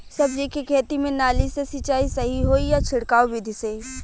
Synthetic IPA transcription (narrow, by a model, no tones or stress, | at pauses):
sɐbd͡ʒikikʰeːt̪imẽnaːlisesɪt͡ʃaːisɐɦiɦoːijat͡ʃʰɪɽkaːobid̪ʱiseː